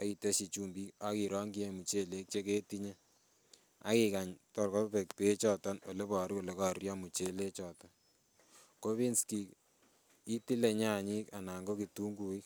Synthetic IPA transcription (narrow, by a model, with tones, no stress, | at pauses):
a˨i˨te˦ʃi˨t͡ʃu˦mbi˦ka˦ki˨ɾɔ˦ŋɡi˦e˦mu˨t͡ʃe˦le˦k̚t͡ʃe˦ke˦ti˦ɲe˦ | a̰˦ki˨ka˨ɲtɔ˨rkɔ˦pe˨k̚pe˦t͡ʃɔ˦tɔ˦no˨le˦pɔ˨ɾko˨le˨ka˦rjɔ˦mu˨t͡ʃe˦le˦t͡ʃɔ˨tɔ | ko˦βi˦nski˨k | i˦ti˦le˨ɲa˦˨ɲi˦ka˨na˨ŋɡo˦ki˨tu˦ŋɡu˨ɪ˦k